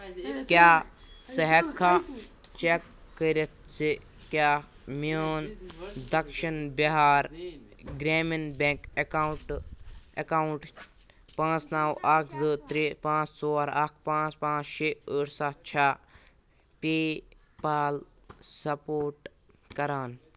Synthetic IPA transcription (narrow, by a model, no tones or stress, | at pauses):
kjaː | sɐɦɐkʰːɐt͡ʃekː | əɾet̪̚t͡si | kjaː | miəːnd̪ɐkʃɐnbiɦaːɾɡɾeːminbẽŋkekaːwuʈ | ɐkaːuɳʈ | pãːt͡snaːwaːkʰzəːt̪ɾepãːt͡ssoːɐɾaːk̚ʰpãːt͡spãːt͡ʃʃeəːʈsaːt͡ʃʰaː | peː | paːl | sɐpoːɾʈ | kɐɾaːn